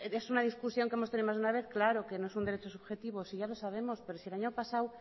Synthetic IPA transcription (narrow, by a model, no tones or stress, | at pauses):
esunað̞iskusjo̞ŋkeemost̪eniðmazðunaβ̞eθklaɾokenoesund̪eɾet͡ʃosuβxet̪iβ̞osiʝalosaβ̞emospeɾosielaɲopasaw